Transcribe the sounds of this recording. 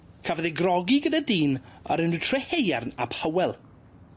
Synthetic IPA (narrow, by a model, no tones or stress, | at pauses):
kʰavəðejɡrɔɡiɡədadiːnɔ̰ɾɪnɨtʰrɛhejarnabhəwɛlˠ